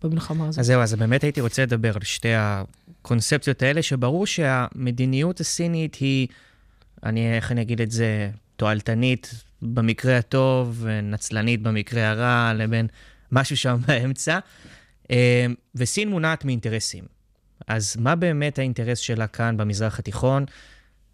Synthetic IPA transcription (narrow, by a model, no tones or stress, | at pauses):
b̥emilχamazazeuazbe̞ːme̞taitiʁo̞t͡seled̪abe̞ʁalʃte̞akʰo̞nt͡sep̚t͡sijotae̞le̞ʃe̞baʁuʁʃe̞ame̞d̪inijutasinithi | a̰nie̞χaniaɡid̪eze̞to̞altanit | bemikʁehato̞venat͡slanit̚bemikʁeaʁalebe̞n | maʃuʃambae̞mt͡sa | ʔemvesinmunaːtmiːnte̞ʁesḭm | azmabe̞ːme̞thainte̞ʁesʃe̞lakʰanbemizʁaχatiχo̞n